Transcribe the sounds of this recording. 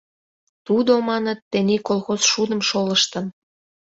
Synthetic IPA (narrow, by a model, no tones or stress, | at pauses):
t̪ud̪omɑnət̪ːenikolˠxosʃud̪ə̆mʃoləʃt̪ə̆n